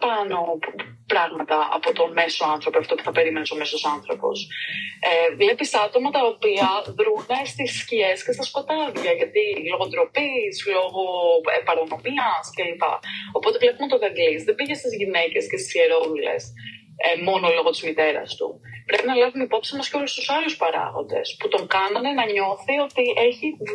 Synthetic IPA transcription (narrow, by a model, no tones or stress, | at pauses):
pɐno̞ | pɾɐɣmɐt̪ɐʔɐ̰po̞t̪o̞me̞so̞ɐnθɾo̞poɐft̪o̞pu̥θɐpe̞ɾime̞neso̞me̞so̞sɐnθɾo̞po̞̰sevle̞pisɐt̪o̞mɐt̪ɐopiɐðɾunest̪iscie̞sce̞st̪ɐsko̞t̪ɐðʝɐʝɐt̪ilo̞ɣond̪ɾo̞pislo̞ɣo̞epɐɾono̞miɐsceɐlipɐ̰o̞po̞t̪e̞vle̞pumot̪oðɐɡlizðebiʝest̪izʝine̞ce̞scest̪isieɾo̞ɾule̞̰s | emo̞nolo̞ɣot̪izmit̪e̞ɾɐ̰st̪ṵpɾe̞pinɐlɐvumeipo̞psienɐsceo̞lust̪usɐluspɐɾɐ̰ɣo̞̰nd̪e̞̰sput̪o̞ŋkɐnɐnenɐɲo̞θio̞t̪iʔe̞çi